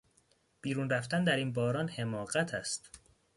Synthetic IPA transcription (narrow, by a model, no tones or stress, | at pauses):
b̥iːɾuːnɾæft̪ænd̪æɾiːnbɒːɾɒːnhe̞mɒːɣæt̪ʰæst̪